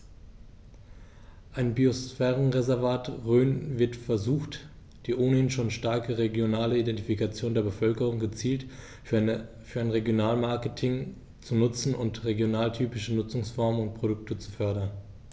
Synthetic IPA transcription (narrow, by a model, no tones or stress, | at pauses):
ʔaɪnbiosfɛːʁənʁezɛɐvaːtʁøːnvɪɐtfɛɐzuːxt | d̥iːʔoːnəhɪnʃoːnʃtaɐkəʁeɡjonaːləidɛntifikat͡sjoːndeːɐbəfœlkəʁʊŋɡət͡siːlt | fyːɐaɪnʁeɡjonaːlmaɐkətʰɪŋ | t͡sunʊt͡sn̩ʊntʁeɡjonaːltʰyːpɪʃənʊt͡sʊŋsfɔɐmənʊnt̚pʁ̥oɾʊk̚tət͡su̥fœɐɾɐn